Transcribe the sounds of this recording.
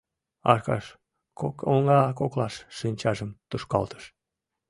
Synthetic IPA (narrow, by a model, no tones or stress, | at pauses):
ɑ̰ʃkɑ̰ʃ | kokoŋɡɑkoklɑʃːinʲt͡ɕɑʒəmt̪uʃkɑ̰lt̪ə̥ʃ